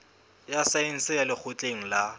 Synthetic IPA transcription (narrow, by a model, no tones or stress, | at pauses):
jasaen̩sɪjalɪk͡xʰʊt͡ɬʼeŋ̩la